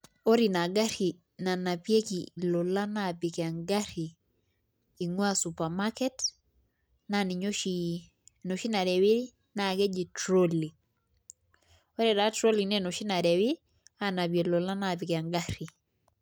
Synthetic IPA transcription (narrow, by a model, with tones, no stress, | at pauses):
o˦ɾi˨na˨ɡa˦ɾi˨ | na˨na˨pje˦kilɔ˨la˦na˦˨pi˨ka˨ŋɡa˦ɾi˨ | ŋwa˦su˨pa˨ma˦kɛ˦t | na˦ni˨ɲo˦ʃi | no˨ʃi˦na˨ɾɛ˨wi˦ | na˨ɡe˦d͡ʒi˨tɾo˦li˨ | o˦ɾɛ˨da˨˦tɾo˦li˨nɛ˦no˨ʃi˦na˨ɾɛ˨wi˦ | a˦na˨bje˨lɔ˨la˦na˦˨pɪ˨ka˨ŋɡa˦ɾi˨